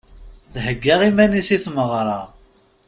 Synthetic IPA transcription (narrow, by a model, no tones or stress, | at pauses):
ðɦəɡːæʁimænisiθməʁɾˤɑ